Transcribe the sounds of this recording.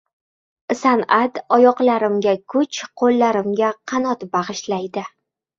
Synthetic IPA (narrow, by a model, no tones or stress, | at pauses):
sanat̪ɒjɒqlaɾɪmɡʲakʰʊt͡ʃqʰolːaɾɪmɡʲaqʰɑnɒt̪bɑʁɨʃlajd̪ɪ